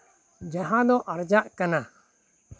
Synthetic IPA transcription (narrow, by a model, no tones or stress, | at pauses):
d͡ʒaɦãd̪ɔʔaɾd͡ʒaʔkana